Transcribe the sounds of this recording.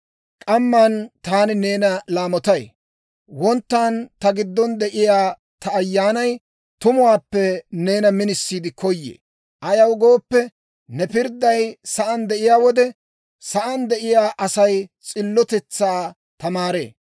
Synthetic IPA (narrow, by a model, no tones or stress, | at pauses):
kʼɐmːɐnt̪aːnɪneːnɐlaːmɔt̪ɐj | wɔnt̪ːaːnt̪ɐɡɪd̪ːɔnd̪ɛʔɪjaː | t̪ɐːjːaːnɐj | t̪ʊmʊwaːpːɛne̞ːnɐmɪnɪsːiːd̪ɪkʰɔjːḛː | ʔɐjɐwɡo̞ːpːɛ | nɛpɪɾd̪ːɐjsɐʔɐnd̪ɛʔɪjaːwɔd̪ɛ | sɐʔɐnd̪ɛʔɪjaːʔɐsɐjt͡sʼɪlːɔt̪ɛt͡sːaː | t̪ɐmaːɾḛː